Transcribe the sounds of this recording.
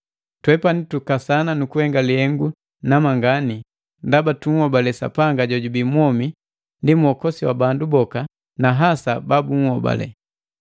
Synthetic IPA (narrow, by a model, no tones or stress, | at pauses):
twɛpanitukasananukuhɛŋɡalihɛŋɡu | namaŋɡani | ndabatuŋ̩hɔbalɛsa̰paŋɡaɟɔɟubimwɔmi | ndimuɔkɔsiwabandubɔka | naɦasababuŋ̩hɔba̰lɛ̰